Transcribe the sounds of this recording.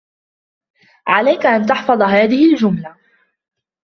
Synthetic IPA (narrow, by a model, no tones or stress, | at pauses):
ʕalajkaʔant̪ɑħfɑðˤɦaːðɪhɪld͡ʒʊmla